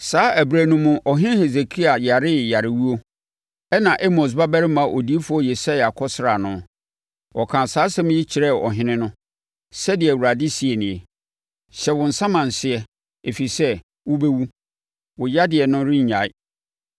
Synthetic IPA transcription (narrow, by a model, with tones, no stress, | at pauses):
saː˨˦ʔæ˨bɾæ˨nũ˦mʊ̃˦ʔɔ˨ɦɪ̃˦he˨ze˨kʰi˦a˨ja˨ɾɪ˦ja˨ɾɪ˨wu˦o˦ | ɛ˦nã˨ʔe˦mo˨s̬ba˦bæ˦ɾɪ˦mã˨˦ʔo˨di˦e˦fʊ˨˦ɔ˦je˨sa˦ja˨kʰɔ˦sɾa˨nʊ̃˦ | wɔ˨kʰã˨saː˨˦sɛ̃˦m̃˦ji˦t͡ɕʰɪ˨ɾɛ˦˨ɔ̰˨ɦɪ̃˦nɪ̃˦nʊ̃˦ | sɛ˦dɪ˨ɛ˨wu˨ɾa˨dɪ˦si˨ɛ˨nɪ̃˨ɛ˨ | ɕɛ˨wʊ̃˨n̩˨sã˦mã˨n̩˨sɪ˦ɛ˨ | e˨fi˨sɛ˦ | wʊ˦be˦wu˦ | wʊ˨ja˦dɪ˨ɛ˨nʊ̃˦ɾɪ̃˦ɲ̩˨ɲa˨ɪ˦